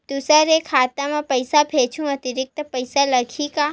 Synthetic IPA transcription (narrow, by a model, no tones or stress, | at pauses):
t̪usaɾekʰat̪amãpəjsapʰet͡ʃʰũət̪iɾɪk̚t̪əpəjsaləkʰika